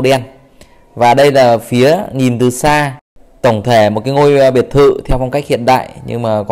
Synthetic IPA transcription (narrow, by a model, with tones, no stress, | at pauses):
ɗɛ˧n | vaː˨˩ɗə˧jlaː˨˩fi˨˦əɲi˨˩nt̪ɨ˨˩saː˧ | t̪ə˧˩wŋ͡mt̪ʰe˧˩mo˨˩kaː˨˦jŋo˧jɓi˨˩ət̚t̪ʰɨ̰˧˨t̪ʰɛ˧wfa˧wŋ͡mka˦˥k̟̚hḭ˧˨ənɗa̰ː˧˨jɲɨ̰˧ŋmaː˨˩kɔ˨